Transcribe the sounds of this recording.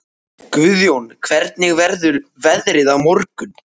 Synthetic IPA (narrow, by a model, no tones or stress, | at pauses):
kvʏðjownkʰvɛɾt̪̚nɪɣvɛɾðʏɾvɛðɾɪðavmɔɾkʏn